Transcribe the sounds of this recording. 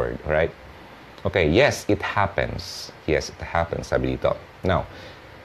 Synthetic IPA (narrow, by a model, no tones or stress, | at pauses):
ə̰dɔɹaɪt̚ | okejɛsɪt̚hæpə̰̃nsjɛsɪt̚hæpə̰̃nsabilitɔ̰k̚ | naʊ